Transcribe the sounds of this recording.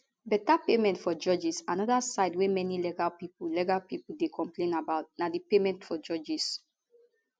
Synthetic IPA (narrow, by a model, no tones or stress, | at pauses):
bɛtapemɛ̃ntfɔd͡ʒɔd͡ʒisãnɔdasaɪdwemɛnilɛɡalpipulɛɡalpipudekʰɔ̃mplẽnabaʊt̚nadipemɛ̃ntfɔd͡ʒɔd͡ʒis